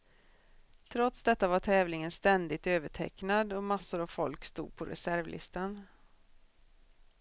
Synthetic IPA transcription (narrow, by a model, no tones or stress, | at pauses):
t̪ʰɾɔt̪sd̪ɛt̪ːavaʈʰɛːvlɪŋənst̪ɛnd̪ɪt̪øːvəʈʰɛ̰knad̪ɔmasːʊɾavfɔlkst̪ṵːd̪̚pʰɔɾɛ̰sæɾvlʔɪ̰st̪an